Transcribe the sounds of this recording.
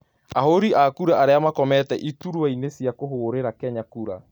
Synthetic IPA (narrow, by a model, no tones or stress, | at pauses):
ahoɾiʔakuɾaʔaɾeamakɔmɛtɛʔituɾwainesjakoɦoːɾeɾakɛɲakuɾa̰